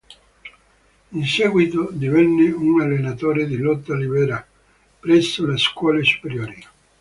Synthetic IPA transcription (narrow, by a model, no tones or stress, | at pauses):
insɛːɡwit̪od̪ivɛnːɪunalːenat̪oːɾed̪ilɔt̪ːalibɛːɾa | pɾɛsːoleskwɔːlesu̥peɾjoːɾi